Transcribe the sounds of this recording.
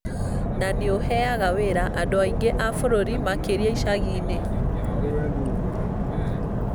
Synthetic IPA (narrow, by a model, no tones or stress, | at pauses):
naneohɛaɣaweɾaʔadoaiŋɡeʔafoɾoɾimakeɾiaiʃaɣiːne